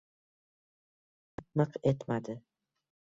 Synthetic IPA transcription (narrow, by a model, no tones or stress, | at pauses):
t̪nɨqe̞t̪mad̪ɪ